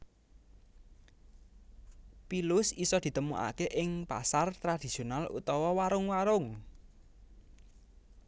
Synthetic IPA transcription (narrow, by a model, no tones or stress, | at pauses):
pilʊsisɔd̪̥i̤t̪əmuʔa̰keʔɪŋpa̰sart̪ɾad̪̥i̤sionalṵt̪ɔwɔwaɾʊŋwaɾʊŋ